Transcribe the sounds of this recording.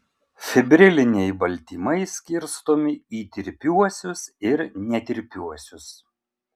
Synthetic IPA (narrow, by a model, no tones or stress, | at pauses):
fʲɛbʲɾʲɪlʲɪnʲɛɪbɐlʲt̪ʲiːmɐɪsʲkʲɪɾst̪oːmʲɪiːt̪ʲɪɾʲpʲuɔsʲʊsɪɾnʲɛt̪ʲɪɾʲpʲuɔsʲʊs